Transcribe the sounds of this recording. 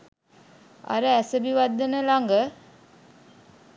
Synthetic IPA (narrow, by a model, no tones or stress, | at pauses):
a̰ɾəæsəbiʋad̪ːənəlaŋɡə